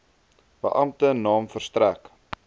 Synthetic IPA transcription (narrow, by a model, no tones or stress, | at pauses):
bə̰ʔɐmtənɑːmfərstræk